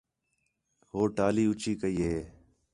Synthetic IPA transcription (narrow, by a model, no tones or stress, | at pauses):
ɦoːʈaːliːʊt͡ʃiːkəiːɦeː